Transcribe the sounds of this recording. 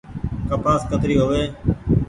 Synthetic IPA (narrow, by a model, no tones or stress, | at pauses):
kəpaːskət̪ɾiːɦoːʋeː